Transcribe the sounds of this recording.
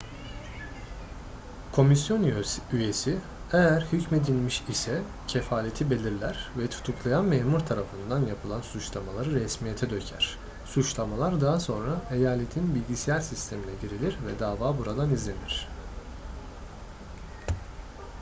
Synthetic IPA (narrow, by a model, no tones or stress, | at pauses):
kʰo̞misjo̞nyje̞si | ejæɾhycme̞d̪ilʲmiʃisɛ | cʰefaːlʲe̞t̪ʰibe̞lʲiɾlʲæɾ̥vɛt̪ʰu̥t̪ʰuklˠajanmeːmuɾt̪ʰaɾafɯnd̪anjapʰɯlˠansut͡ʃlˠamalˠaɾɯɾɛsmijet̪ʰɛd̪ø̞cʰæ̰ɾ̥ | sut͡ʃlˠamalˠaɾd̪aɦaso̞nɾaʔe̞jaːlʲe̞t̪ʰinbilʲɟisijæɾsist̪ʰe̞minɛɟiɾilʲiɾvɛd̪aːvaːbuɾad̪anizlʲe̞niɾ̝̥